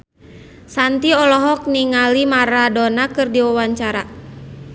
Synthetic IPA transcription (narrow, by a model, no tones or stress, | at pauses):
sant̪iɔlɔɦɔk̚niŋalimaɾadɔnakɨrdiwawaɲt͡ʃaɾa